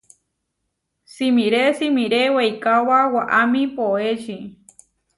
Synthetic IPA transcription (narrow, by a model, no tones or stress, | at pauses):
simĩɾesimĩɾewejkawawaʔamĩpoeʃi